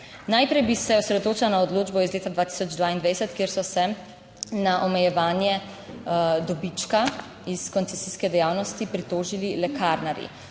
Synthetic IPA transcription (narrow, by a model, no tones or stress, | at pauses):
najpɾɛjbisɛɔsɾɛd̪ot̪oːt͡ʃalanaɔd̪loːd͡ʒbɔizleːt̪ad̪ʋaːt̪i̥ːsɔd͡ʒd̪ʋaːind̪ʋaːjsɛt̪kjeːɾsɔsɛ | naʔɔmɛjɛʋaːnjɛ | d̪ɔbit͡ʃka | iskɔnt̪sɛsiskɛd̪ɛjaːwnɔst̪ipɾit̪oːʒililɛkʰaɾnaɾḭ